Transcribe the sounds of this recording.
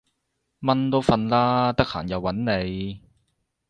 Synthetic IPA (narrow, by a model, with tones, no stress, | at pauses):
mɐ˥nt̪o˥wfɐ˧nlaː˥t̪ɐ˥k̚ha̰ː˨˩njɐ˨˧wːɐ˨˥nne˨˧j